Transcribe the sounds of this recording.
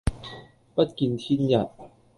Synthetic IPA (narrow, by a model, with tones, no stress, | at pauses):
pa˦˥t̚ki˧nt̪ʰi˥nja˨˩t̚